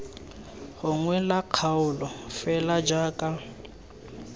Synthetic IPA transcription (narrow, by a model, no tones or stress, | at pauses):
hʊŋwɛlaq͡χʰaʊlɔfɛlad͡ʒaːkʼa